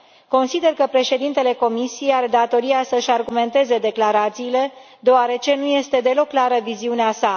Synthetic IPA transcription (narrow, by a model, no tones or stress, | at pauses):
ko̞nsid̪e̞rkəpɾe̞ʃe̞d̪int̪e̞le̞ko̞misijejaɾed̪at̪o̞ɾiasəɨʃarɡume̞nt̪e̞ze̞d̪e̞klaɾat̪siːle̞ | d̪eoaɾe̞t͡ʃe̞nuje̞st̪e̞d̪e̞lo̞kːlaɾəviziuneasa